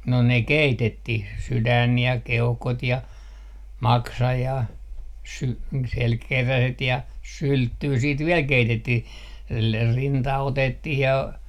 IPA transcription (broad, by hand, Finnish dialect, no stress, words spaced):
no ne keitetːih sydæn jɑ keuhkot jɑ mɑksɑ jɑ sy selkeræset jɑ syltːyː siːt ʋiɛl keitetːih le rintɑ otetːih jɑ